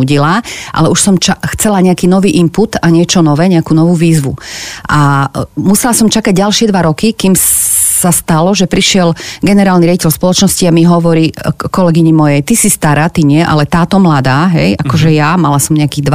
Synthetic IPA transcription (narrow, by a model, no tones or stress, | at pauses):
uɟilaʔa̰lɛuʃsɔmt͡ʃaxt͡sɛlaɲɛakiːnɔʋiːʔimput̪aɲɪɛt͡ʃɔnɔʋɛːɲɛakuːnɔʋuːʋiːzʋuʔamusɛlasɔmt͡ʃakaɟɟalʃɪɛd̪ʋaɾɔkikimsast̪alɔʒɛpɾiʃɪɛlɡɛnɛɾaːlniɾjaɟicɛlspɔlɔt͡ʃnɔsciamiɦɔʋɔɾiːkɔlɛɡiɲimɔjɛjt̪isist̪aɾaːt̪iɲɪɛʔa̰lɛt̪aːt̪ɔmlad̪aːɦɛjakɔʒɛjamalasɔmɲɛakiːɣd̪ʋa